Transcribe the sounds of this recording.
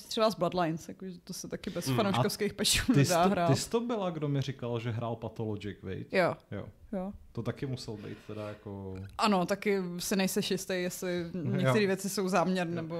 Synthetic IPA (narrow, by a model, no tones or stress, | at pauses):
t̪r̥ɛbazbladlajnsjakoʒɛt̪osɛt̪akɪbɛsfanowʃkofskejxpɛt͡ʃuːnɛɪsdaːɦɾaːɪst̪obɪlaɡdomɪɾɪkalʒɛɦɾaːlpat̪olod͡ʒɪkvɪ̰jt̪jojo̰jot̪ot̪akɪmusɛlbɛ̰jt̪t̪ɛdajakoʔanot̪akɪsɪnɛjsɛʃjɪst̪ejjɛslɪɲɲɛkt̪ɛɾiːvjɛt͡sɪso̞wzaːmɲɛɾnnɛbo